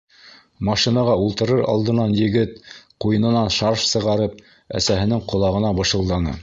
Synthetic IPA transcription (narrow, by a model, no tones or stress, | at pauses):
mɑʃinɑʁɑulˠt̪ɤ̆ɾɤɾɑ̰lˠd̪ɤ̆nɑnjɘ̆ɡɘt̪̚qujɤ̆nɤ̆nɑnʃɑɾʃsɤ̆ʁɑɾɤp̚ | æ̰sæɦɘ̆nɘŋqŏlˠɑʁɤ̆nɑbɤ̆ʃɤ̆lˠd̪ɑnɤ̰